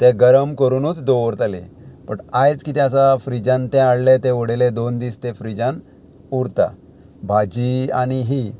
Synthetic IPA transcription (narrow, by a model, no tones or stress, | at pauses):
t̪eɡəɾəmkəɾunuːt͡sd̪oɾt̪alḛ̃pəɳajd͡zkit̪eas̬afɾid͡ʑãnt̪ẽaɽlet̪ẽʋɔɽeled̪ond̪ist̪efɾid͡ʑan | uɽt̪a̰ | bʱad͡ʑia̰ñiɦi